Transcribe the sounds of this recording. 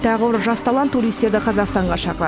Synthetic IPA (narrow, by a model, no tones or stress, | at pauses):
t̪ʰæʁəbəɾʒɑst̪ɑlˠɑnːuɾijst̪e̞ɾd̪ɪqʰɑzɑqst̪ɑɴʁɑʃɑqəɾɑ